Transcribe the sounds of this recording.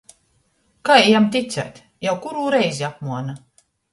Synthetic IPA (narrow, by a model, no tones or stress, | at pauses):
kaːɛjamt̪ʲit̪sʲæ̰ːt̪ʲ | jawkuɾuːɾɛjziapmuɔna